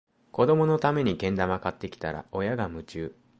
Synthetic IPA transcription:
ko̞d̪o̞mo̞no̞t̪ame̞ɲ̟iɡẽ̞nd̪amakat̪ːe̞kʲi̥t̪aɾa̰o̞jaɡamɯ̟t͡ɕɨː

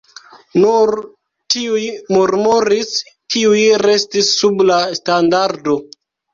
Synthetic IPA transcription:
nuɾ | tiujmuɾmoɾis | kiujɾe̞stisːublastandaɾdo̞

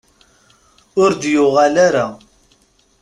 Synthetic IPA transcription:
ʊɾd̪jʊʁɑlaɾa

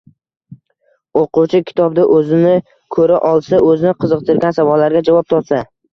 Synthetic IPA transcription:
oquwt͡ʃʰɪkʲʰɪ̥t̪ʰɒb̚d̪aʔɵzɪnɪ | kʰɵɾaʔɒlˠsaʔɵzɪnɪqʰɨzɨq̚t̪ʰɪɾɡʲansavɒlːaɾɡʲad͡ʒavɒp̚t̪ʰɒpsa

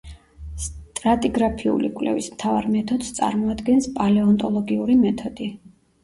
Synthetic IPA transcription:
st̪ʼɾat̪ʼiɡɾapʰiṵlikʼwlɛ̰vismt̪ʰava̰ɾmɛt̪ʰɔd̪st̪sʼa̰ɾmɔad̪ɡɛnspʼalɛɔnt̪ʼɔlˠɔɡiuɾimɛt̪ʰɔd̪̥i

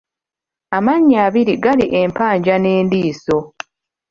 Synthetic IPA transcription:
amaɲːaːβiɾiɡaliʔe̞mpaːɲɟane̞ːndiːso̞

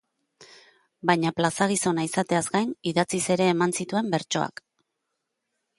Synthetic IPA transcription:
bajɲaplasaɣ̞iso̞naisat̪e̞azɡajniðat͡sise̞ɾe̞ːmansit̪ue̞mbe̞ɾt͡ʃo̞̰a̰k

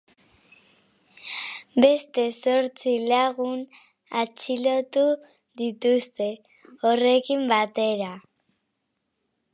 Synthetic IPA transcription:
be̞st̪e̞so̞ɾt͡silaɣun | at͡silo̞t̪u | d̪it̪ust̪e̞ | ore̞kimbat̪e̞ɾa

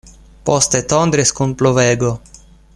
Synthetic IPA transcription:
post̪et̪ond̪ɾeskunploveɡo

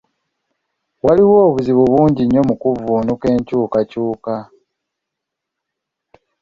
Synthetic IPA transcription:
waliwo̞ːβuziβuβuːɲɟiɲːo̞mukuvuːnuke̞ːɲcuːkacuːka

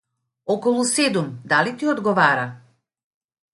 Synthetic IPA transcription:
ɔkɔlˠusɛd̪umd̪alit̪iɔd̪ɡɔvaɾa

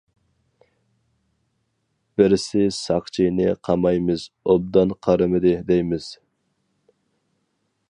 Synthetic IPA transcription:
b̥ɪɾɪsɪsɑqt͡ʃʰijnɪqʰɑmɑjmɨz̥ | ob̚d̪ɑnqʰɑɾɨmɨd̪ɪd̪ɛjmɪz̥

